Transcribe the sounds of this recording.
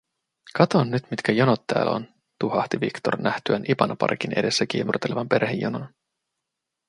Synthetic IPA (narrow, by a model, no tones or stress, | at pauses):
kɑt̪o̞nːyt̪mit̪kæjonot̪ːæ̰ːlo̰n | t̪uhɑht̪iʋikt̪o̞̰rnʔæht̪yænʔipɑnɑpɑ̰rkinʔe̞̰de̞sːæk̟iːmurt̪ːeleʋɑmpe̞rhejːo̰non